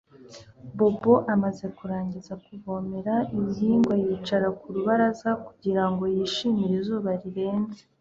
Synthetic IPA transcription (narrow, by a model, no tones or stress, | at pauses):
bo̞bo̞ʔamaze̞kuɾaːɲɟizakuβo̞ːme̞ɾaimiɦiːŋɡwajiːt͡ʃaɾakuɾuβaɾazakuɟiɾaŋɡo̞jiːʃiːmiɾezuːβaɾiɾe̞ːnze